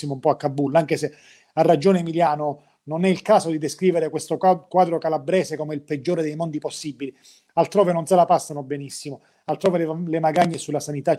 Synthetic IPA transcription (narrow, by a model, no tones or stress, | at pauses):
imoumpɔakːabːulaŋk̟ese | arːad͡ʒoːnemiljaːno | nonɛilkaːsod̪id̪eskɾiːveɾekwest̪okwaːd̪ɾokalabɾɛːsekomeilped͡ʒːoːɾed̪ejmond̪iposːibːili | alt̪ɾoːvenonselapasːanobenisːimo | alt̪ɾoːvelemaɡaɲːesulːasanit̪a